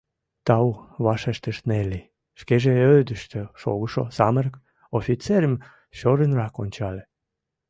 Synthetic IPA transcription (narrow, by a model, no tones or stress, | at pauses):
t̪ɑwβɑʃeʃt̪əʃt̪neli | ʃkeʒeød̪əʃt̪øʃo̰ɣəʃo̰sɑmərk | ofit͡seɾəm | ɕoɾənrɑkonʲt͡ɕɑle